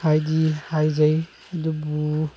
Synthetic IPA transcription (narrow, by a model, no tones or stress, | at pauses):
hajdihajzaj | adubu